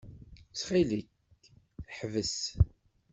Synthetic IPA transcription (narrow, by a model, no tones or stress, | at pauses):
sχilik | ħvəs